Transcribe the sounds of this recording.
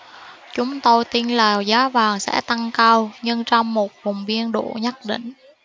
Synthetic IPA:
t͡ɕʊ˨˦ŋ͡mt̪o˧jt̪i˧nlaː˨˩wzaː˨˦vaː˨˩ŋsɛ̰˧˥t̪a˧ŋkaː˧wɲɨ˧ŋt͡ɕɔ˧wŋ͡mmo˨˩t̚vʊ˨˩wŋ͡mvi˧ənɗo̰˧˨ɲə˦˥k̚ɗḭ̈˧˨ŋ̟

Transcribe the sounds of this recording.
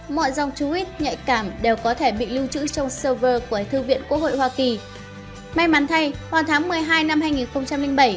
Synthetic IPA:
mɔ̰˧˨jza˨˧wŋ͡mt͡ɕu˨˦ʔi˦˥t̚ɲa̰˧˨jkaː˧˩mɗe˨˩wkɔ˨˦t̪ʰe˧˩ɓḭ˧˨li˧wt͡ɕɨ̰˧˥t͡ɕɔ˧wŋ͡msəː˧vəː˧ku˧˩ət̪ʰɨ˧vḭ˧˨ənkwu˦˥ək̚ho̰˧˨jhwaː˧ki˨˩ | ma˧jma˨˦nt̪ʰa˧jwaː˨˩t̪ʰaː˨˦ŋmɨ˨˩əjɦaː˧jna˧mɦaː˧jŋi˨˩nxə˧wŋ͡mt͡ɕa˧mlï˧ŋ̟ɓə˧˩j

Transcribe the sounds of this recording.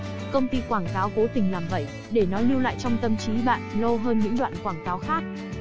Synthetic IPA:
kə˧wŋ͡mt̪i˧kwaː˧˩ŋkaː˨˦wko˨˦t̪ï˨˩ŋ̟laː˨˩mvə̰˧˩˨j | ɗe˧˩nɔ˨˦li˧wla̰ː˧˨jt͡ɕɔ˧wŋ͡mt̪ə˧mt͡ɕi˨˦ɓa̰ː˧˨nlə˧wɦəː˧nɲɨ̰˧˥ŋɗwa̰ː˧˨nkwaː˧˩ŋkaː˨˦wxaː˦˥k̚

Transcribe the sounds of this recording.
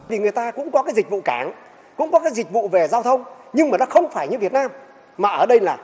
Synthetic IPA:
i˨˩ŋɨ˨˩əjt̪aː˧kʊ̰˧˥ŋ͡mkɔ˨˦kaː˨˦jzi˨˩k̟̚vṵ˧˨kaː˨˦ŋ | kʊ̰˧˥ŋ͡mkɔ˨˦kaː˨˦jzï˨˩k̟̚vṵ˧˨ve˨˩zaː˧wt̪ʰə˧wŋ͡m | ɲɨ˧ŋmaː˨˩nɔ˨˦xə˧wŋ͡mfaː˧˩jɲɨ˧vi˨˩ət̚naː˧m | maː˨˩ʔəː˧˩ɗə˧jlaː˨˩

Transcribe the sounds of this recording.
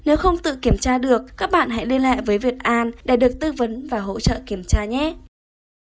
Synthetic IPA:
ne˨˦wxə˧wŋ͡mt̪ɨ̰˧˨ki˧˩əmt͡ɕaː˧ɗɨ˨˩ək̚kːaː˦˥k̚ɓa̰ː˧˨nɦa̰˧˥jɗe˧la̰ː˧˨jvəː˨˦jvi˨˩ət̚ʔaː˧nɗe˧˩ɗɨ˨˩ək̚t̪ɨ˧və˨˦nvaː˨˩ɦo̰˧˥t͡ɕə̰ː˧˨ki˧˩əmt͡ɕaː˧ɲɛ˨˦

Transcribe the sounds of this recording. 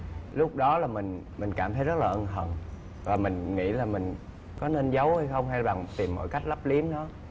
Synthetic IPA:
lʊ˦˥k͡p̚ɗɔ˨˦laː˨˩mï˨˩ŋ̟ | mï˨˩ŋ̟kaː˧˩mt̪ə˨˦jzə˦˥t̚laː˨˩ʔə˧nh̪ʰə̰˨˩n | vaː˨˩mï˨˩ŋ̟ŋḭ˧˥laː˨˩mï˨˩ŋ̟ | kɔ˨˦ne˧nzə˨˦wha˧jxə˧wŋ͡mha˧jɓa˨˩ŋt̪i˨˩mːo̰˧˥jka˦˥jk̟̚lə˦˥p̚li˨˦əmɗɔ˨˦

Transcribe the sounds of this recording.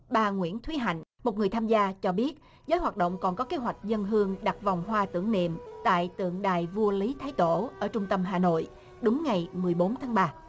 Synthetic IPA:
ɓaː˧˩ŋwḭ˧˥ənt̪ʰwi˨˦ɦa̰˧˨jŋ̟mo˨˩t̚ŋɨ˨˩əjt̪ʰaː˧mzaː˧t͡ɕɔ˧ɓi˦˥ət̚ | zəː˨˦jhwaː˨˩t̚ɗo̰˧˨wŋ͡mkɔ˨˩nkɔ˨˦ke˨˦ɦwa˨˩jk̟̚zə˧nɦɨ˧əŋɗa˨˩k̚va˨˩wŋ͡mɦwaː˧t̪ɨ̰˧˩əŋnḭ˧˨mt̪a̰ː˧˨jt̪ɨ̰˧˨əŋɗa̰ː˧˨jvu˧əli˨˦t̪ʰaː˨˦jt̪o̰˧˩ʔəː˧˩t͡ɕʊ˧ŋ͡mt̪ə˧mɦaː˨˩no̰˧˨j | ɗʊ˨˦ŋ͡mŋa˨˩jmɨ˨˩əjɓo˨˦nt̪ʰaː˨˦ŋɓaː˧

